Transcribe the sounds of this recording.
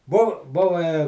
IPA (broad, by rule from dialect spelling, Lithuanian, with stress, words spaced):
bʊ ˈbʊʋɐ